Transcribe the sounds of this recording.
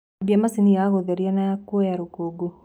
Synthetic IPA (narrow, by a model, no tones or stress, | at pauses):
biamasinijaɣoðɛɾianaakuɔjaɾokoɡo